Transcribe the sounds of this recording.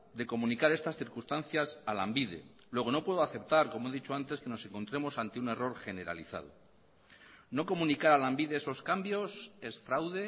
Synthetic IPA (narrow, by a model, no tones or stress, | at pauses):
d̪e̞ko̞mũnikaɾe̞st̪asθiɾkust̪an̟θjasala̰mbiðe̞̰ | lwe̞ɣ̞o̞no̞pwe̞ð̞oaθe̞pt̪aɾko̞moe̞ðit͡ʃo̞ant̪e̞ske̞no̞se̞ŋko̞nt̪ɾe̞mo̞sant̪eune̞ro̞ɾχe̞ne̞ɾa̰liθa̰ð̞o̰ | no̞ko̞munikaɾalambiðeeso̞skambjo̞sesfɾawðe̞